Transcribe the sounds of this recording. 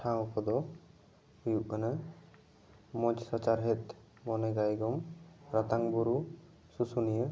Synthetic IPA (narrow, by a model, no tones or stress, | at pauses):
ʈʰãupʰɔd̪ɔ | hujuʔkana | mɔ̃d͡ʒsɔt͡ʃaɾɦɛt̪̚ | mɔnɛɡajɡɔmɾat̪aŋbɔɾu | susunijə